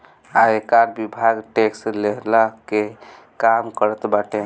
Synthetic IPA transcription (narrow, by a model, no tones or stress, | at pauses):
aekaɾbibʱaɡʈeksleɦlake | kamkəɾət̪baʈe